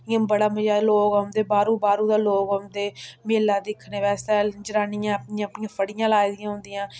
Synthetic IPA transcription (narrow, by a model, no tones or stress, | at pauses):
ɪjãːbəɽaːməd͡ʒaːloːɡəmd̪eːbaːɾũːbaːɾuːd̪aːloːɡəmd̪eːmeːlãːd̪ɪkʰneːʋɛːsɛːd͡ʒɾaːnijãːəpnɪjãːəpnɪ̃jãːpʰəɽɪjãːlaːjd̪ɪjãːɦʊ̃nd̪ɪjãː